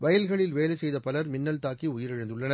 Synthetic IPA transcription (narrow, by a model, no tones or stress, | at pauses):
ʋɐjɐlɣɐɭɪlʋeːlɐsɛjðɐpɐlɐɾmɪnːɐlt̪aːkiʊjɪɾɪɻɪnd̪ɯɭːɐnɐ